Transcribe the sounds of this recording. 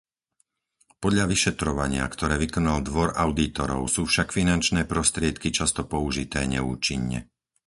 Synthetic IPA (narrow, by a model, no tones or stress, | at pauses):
pɔd̪ʎaʋiʃɛt̪ɾɔʋa̰ɲɪa̰kt̪ɔɾɛːʋikɔnald̪ʋɔɾaʊd̪it̪ɔɾɔ̰ʊsuːfʃakfinant͡ʃnɛːpɾɔst̪ɾɪɛt̪kit͡ʃast̪ɔpɔuʒit̪ɛːɲɛṵːt͡ʃiɲːɛ̰